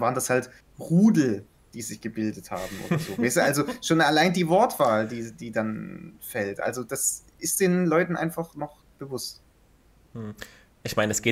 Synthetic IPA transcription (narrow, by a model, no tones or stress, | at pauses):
vaːʁəndashalt | ʁuːdl̩ | d̥iːzɪçɡ̥əbɪldətha̰ːbm̩ʔo̰ːdɐzoːvɛɪstəʔalzoʃoːnalaɪndiːvɔɐtv̥aːldiːd̥iːdanfɛltʔa̰lzod̥as | ʔɪst̚d̥eːnlɔʏtn̩ʔa̰ɪnfaχnɔχ | b̥əvʊst̩ | ʔɪçmaɪnəɛsɡ̥eː